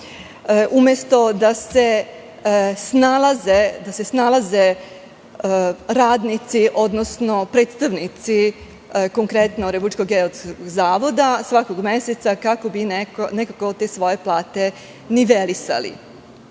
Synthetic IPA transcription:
ʔumjest̪o̞d̪ase | snalazed̪ase̞snalaze | ɾaːd̪nit̪siʔo̞d̪nosno̞pɾeːt̪st̪aʋnit̪si | koŋkɾet̪noɾebuit͡ʃkoɡeoskoɡzaːʋo̞d̪asʋakoɡme̞set̪sakako̞bineknekako̞t̪e̞sʋo̞je̞plˠaːt̪e̞ | niʋelisa̰lḭ

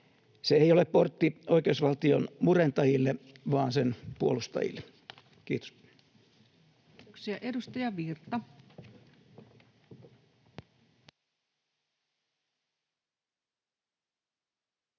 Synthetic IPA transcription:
seeiolepport̪ːioikeusʋɑlt̪ionmurent̪ɑjilːeʋɑːnsenpuolust̪ɑ̰jḭlːˑe | kḭːt̪o̥s | ksiɑʔedust̪ɑjɑʋirt̪ɑ

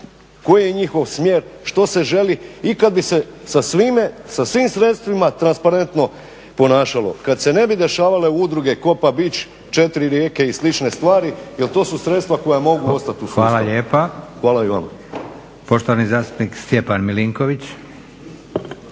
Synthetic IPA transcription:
ko̞jijeɲixo̞ʋsmje̞ɾʃt̪o̞se̞ʒe̞liikad̪̚bise̞sasʋimesasʋiːmsɾe̞t̪st̪ʋimat̪ɾanspaɾe̞nt̪no̞ | po̞naːʃalo̞̰kad̪se̞ne̞bid̪e̞ʃaːʋale̞ud̪ɾuɡe̞ko̞pabit͡ɕ | t͡ʃe̞t̪iɾiɾjeːke̞islit͡ʃne̞st̪ʋaːɾijelt̪o̞ːsusɾe̞t̪st̪ʋako̞jamo̞ɡuo̞st̪at̪uʋaːlaʎeːpaxʋaːlaiʋa̰m | po̞ʃt̪oʋanizaːst̪u̥pnikst̪jepanmiliŋkoʋit͡ɕ

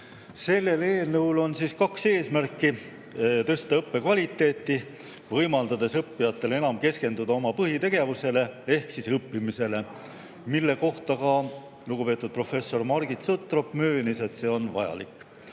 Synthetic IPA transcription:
se̞lːe̞le̞ːlnewlo̞nsiskɑkse̞ːsmærkːˑi | t̪ɤst̪ɑɤpːe̞kvɑlʲit̪ːˑe̞ːt̪ːˑi | vɤjmɑld̪ɑd̪̥e̞sɤpːijɑt̪ːˑe̞le̞nɑmke̞ske̞nd̪ud̪̥ɑo̞mɑpɤɦit̪e̞ɡ̥e̞vuse̞le̞e̞hksisɤpːimise̞le̞ | milːe̞ko̞ht̪ɑkɑ | luɡ̥upe̞t̪ːˑud̪̥̚pro̞fe̞sːo̞rmɑɾɡit̪sot̪ːˑro̞pmøːnise̞t̪se̞ːo̞nvɑ̰jɑ̰lḭkːˑ

